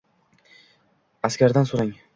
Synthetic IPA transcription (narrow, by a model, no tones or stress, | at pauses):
askʲaɾd̪ansʊɾaŋ